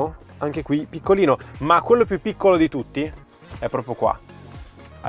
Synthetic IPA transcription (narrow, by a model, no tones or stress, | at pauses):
o | aŋk̟ekwipikːoliːnomakːwelːopjupːikːolod̪it̪ut̪ːi | ɛpːɾɔːpɾjokwa̰ | a̰